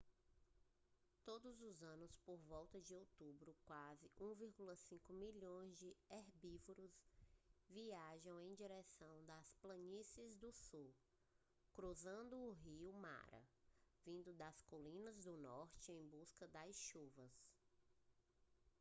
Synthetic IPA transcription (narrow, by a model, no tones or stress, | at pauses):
t̪od̪ʊzʊzɐ̃nʊspoɾvɔwt̪ɐd͡ʒɪowt̪ubɾʊkwazɪʔũviɾɡulɐsĩkʊmiʎõj̃zd͡ʒɪɛɾbivʊɾʊz | viaʒɐ̃w̃ẽj̃d͡ʒiɾɛsɐ̃w̃d̪ɐsplɐ̃ɲisɪzd̪ʊsu | kɾuzɐ̃nd̪ʊːɦiʊma̰ɾɐ̰vĩnd̪ʊd̪ɐskolĩnɐzd̪ʊnɔɾt͡ʃɪẽj̃buskɐd̪ɐsʃuvɐs